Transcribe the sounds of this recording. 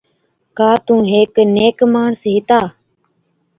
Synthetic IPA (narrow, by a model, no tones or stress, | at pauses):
kaːt̪ũːɦeːkneːkmaːɳsɦɪt̪aː